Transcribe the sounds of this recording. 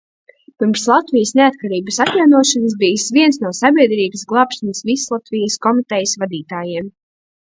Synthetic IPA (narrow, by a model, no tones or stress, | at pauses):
piɾmslˠat̪vijəsneat̪̚kaɾiːbəsat̪ʲjawnuɔʃanəs̬bijsviɛnsnuɔsabʲiɛd̪ɾiːbəsɡlˠɑːpʃanəsvislˠat̪vijəskɔmit̪ɛjəsvad̪iːt̪aːjiɛm